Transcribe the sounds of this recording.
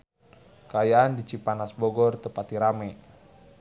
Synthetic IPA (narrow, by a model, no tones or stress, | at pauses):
kajaːndit͡ʃipanasbɔɡɔrt̪əpat̪iɾamɛ